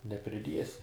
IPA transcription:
nʲɛpʲrʲɪˈdʲiɛsʲɪ

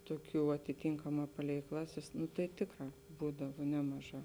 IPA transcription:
ˈtuɔˌkʲuː ɐtʲɪˈtʲiːŋkɐˌmɑː ˈpɑːlʲɛɪ ˈklˠɑːˌsʲeːs nʊ tɐɪ ˈtʲeːkˌrɑː ˈbuːdɐʋɐ ˈnʲæːmɐˌʒɑː

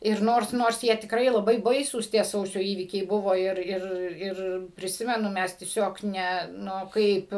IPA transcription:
ɪr ˈnoːrs ˈnoːrs ˈjiɛ tʲɪkˈrɐɪ lˠɐˈbɐɪ ˈbɐɪsuːs tʲiɛ ˈsɐʊsʲoː ˈiːʋʲiːkʲɛɪ ˈbʊʋoː ˈɪr ˈɪr ˈɪr pʲrʲɪˈsʲɪmʲɛnʊ ˈmʲɛs tʲiɛˈsʲoːk ˈnʲɛ ˈnʊ ˈkɐɪp

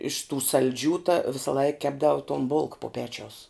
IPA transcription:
ɪʃ tuː sɐlʲˈd͡ʒʲuː tɐ ʋʲɪsɐˈlˠɐɪk ˈkʲæːbdɐʊ toːn bʊlˠk pʊ ˈpʲæːt͡ʃʲɛʊs

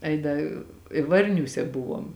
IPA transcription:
ˈɐɪ ˈdɐ ɪ ˈʋɐrʲnʲuːsʲɛ ˈbʊʋoːm

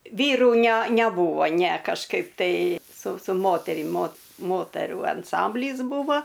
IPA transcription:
ˈʋʲiːruː nʲæ nʲæˈbuːʋoː nʲæ kɐʃˈkɐɪp tɐɪ sʊ sʊ ˈmoːtʲɛrʲɪm moːt ˈmoːtʲɛruː ɐnˈsɐmʲbʲlʲiːs ˈbuːʋoː

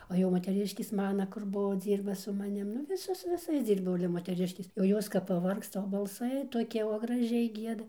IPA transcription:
oː jɛʊ moːtʲɛˈrʲɪʃʲkʲeːs ˈmɑːnɐ kʊr ˈbʊʋoː ˈd͡zʲiːrbɐ sʊ mɐˈnʲɪm nʊ ˈʋʲɪsoːs sʊ ʋʲɪˈsɐɪs ˈd͡zʲiːrbɐʊ ɐlʲɛ moːtʲɛˈrʲɪʃʲkʲeːs jɛʊ ˈjoːs kɐp pɐˈʋɐrkstɐ oː bɐlˠˈsɐɪ toːˈkʲiɛ oː ɡrɐˈʒʲɛɪ ˈɡʲiɛdɐ

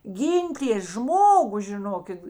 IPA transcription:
ˈɡʲiːnʲtʲeːs ˈʒmoːɡʊ ʒʲɪˈnoːkʲɪt

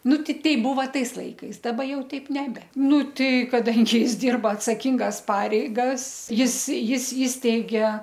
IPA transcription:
ˈnʊ tʲɪ ˈtʲɛɪ ˈbʊʋɐ ˈtɐɪs ˈlˠɐɪkɐɪs dɐˈbɐ ˈjɛʊ tʲɛɪp nʲɛˈbʲɛ ˈnʊ tɐɪ kɐˈdɐŋʲɡʲɪ ˈjɪs ˈdʲɪrbɐ ɐtsɐˈkʲɪŋɡɐs ˈpɑːrʲɛɪɡɐs ˈjɪs ˈjɪs ˈiːsʲtʲɛɪɡʲeː

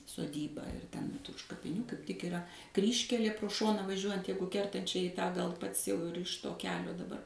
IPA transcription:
soːˈdʲiːbɑː ɪr ˈtʲɛn ʊʃ kɐpʲɪˈnʲuː kɐɪp tʲɪk ɪˈrɐ ˈkrʲiːʃʲkʲɛlʲeː proː ˈʃoːnɑː ʋɐˈʒʲuɔjɛnt ˈjɛɪɡʊ kʲɛrtɐn ˈt͡ʃʲɛ iː tɑː ɡɐlˠ ˈpɐts ˈjɛʊ ɪr ɪʃ ˈtoː kʲɛˈlʲoː dɐˈbɐr

